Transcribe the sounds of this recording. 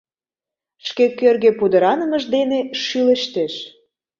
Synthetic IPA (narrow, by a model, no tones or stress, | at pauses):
ʃkekørɣepud̪əɾɑnəməʒd̪eneʃyləʃt̪eʃ